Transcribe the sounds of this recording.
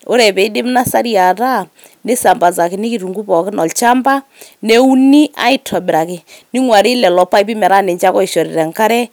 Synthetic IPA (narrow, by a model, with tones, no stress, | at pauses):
ʊ˦ɾɛ˨pɛ˨ɪ˦dɪ˦mna˦sa˦ɾja˨ta˦ | nɪ˦sa˨mba˨za˨kɪ˨nɪ˦ki˨ɾu˨ŋɡu˦pɔ˨kɪ˦nɔ˨lt͡ʃa˦mba˦ | nɛ˦u˦ni˦ʔa̰˦ɪ˦tʰɔ˨bɪ˨ɾa˨kɪ˨nɪ˦ŋwa˨ɾɪ˦lɛ˨lɔ˨pa˦i˦pɪ˦mɛ˨ɾa˦nɪ˨t͡ʃa˦kɔ˦ɪ˨ʃɔ˨ɾɪ˨ɾɛ˨ŋka˦ɾɛ˦